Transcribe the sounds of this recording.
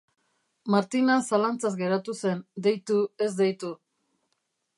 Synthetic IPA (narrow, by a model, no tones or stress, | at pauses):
maɾt̪inasalant͡sazɡe̞ɾat̪use̞nd̪ejt̪ue̞zd̪ejt̪u